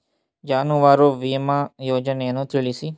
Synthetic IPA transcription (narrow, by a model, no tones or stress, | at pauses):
d͡ʒaːnũʋaːɾoːʋiːmãːjoːd͡ʒənenũːt̪ɪɭiːsiː